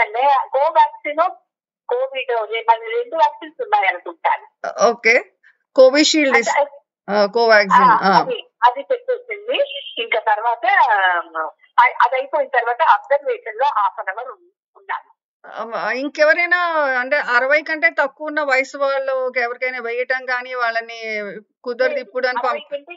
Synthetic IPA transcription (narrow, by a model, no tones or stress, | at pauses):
ɐɳɖeːkoːʋjaːksiːnu | koːʋiːɖd͡ʒemɐniɾeɳɖuʋjaːksiːnsunːaːjɐnɐt͡ʃuːsa̰ːɾu | oːkeː | koːʋiːʃiːɭd̪is | aːkoːʋaːksiːnaaːɐd̪i | ɐd̪it̪epːet͡ʃːind̪iiŋkaːt̪ɐɾʋaːt̪ɐ | ɐʔɐd̪ɐjpoːjint̪ɐɾʋaːt̪ɐɐɡd̪ɐɾʋɛːʈɐnlo̞ːʔaːpɐnɐɡɐɾu | unːa̰ːɾu | iŋkɛʋɐɾɐjnaːɐɳʈeːʔɐɾɐʋɐjkɐɳʈe̞ːt̪ɐkːuunːɐʋɐjɐsʋaːɭːoːɛʋɐɾikɐjnɐːʋɛjɐʈɐmɡaːniːʋaːɭːɐnikud̪ɐɾd̪ipːuɽɐnpɐɐ